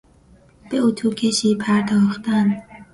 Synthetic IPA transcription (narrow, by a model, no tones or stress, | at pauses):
b̥eot̪ʰuːkʰeʃiːpʰæɾd̪ɒːxt̪æn